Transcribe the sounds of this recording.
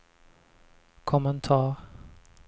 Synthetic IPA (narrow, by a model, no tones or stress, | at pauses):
kʰɔmənt̪ʰɑːɾ